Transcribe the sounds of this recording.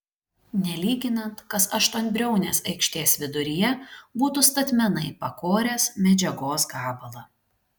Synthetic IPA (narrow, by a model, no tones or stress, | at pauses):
nʲɛlʲiːɡʲɪnɐnt̪kɐsɐʃt̪oːnʲbʲɾʲɛʊnʲeːsɐɪkʃʲt̪ʲeːsʋʲɪd̪ʊɾʲɪjɛbuːt̪ʊst̪ɐt̪ʲmʲɛnɐɪpɐkoːɾʲeːsmʲɛd͡ʒʲɛɡoːs̬ɡɑːbɐlˠɐ